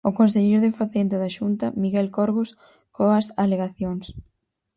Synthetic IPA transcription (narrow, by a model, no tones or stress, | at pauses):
ʊkonseʎejɾðɪfaθent̪ɪðɐʃunt̪ɐmiɣɛlkoɾɣos | koɐsaleɣaθjoŋs